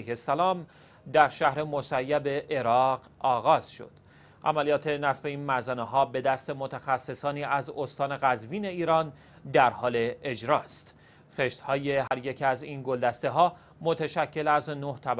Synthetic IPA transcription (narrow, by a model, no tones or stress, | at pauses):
hesælɒːm | d̪æɾʃæhɾe̞mo̞sæjːæbe̞ʔe̞ɾɒːɢ | ɒːɣɒːz̥ʃo̞̰d̪̥ | ʔæ̰mælijɒːt̪ʰe̞næsbe̞iːnmæzæneɦɒːbe̞d̪æst̪e̞mo̞t̪ʰæxæsːe̞sɒːniːʔæzost̪ɒːne̞ɣæzviːne̞iːɾɒːn | d̪æɾhɒːle̞ed͡ʒɾɒːst̪ | xeʃt̪hɒːjeɦæɾje̞cʰæziːnɡo̞ld̪æst̪eɦɒː | mot̪ʰæʃæcʰːe̞læznoht̪ʰæb